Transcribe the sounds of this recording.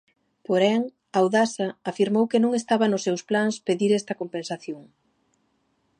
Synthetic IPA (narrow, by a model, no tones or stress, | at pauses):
poɾɛŋ | awðasɐːfiɾmowkenõŋest̪aβɐnʊsːɛwsplaŋspeðiɾɛst̪ɐkompensaθjoŋ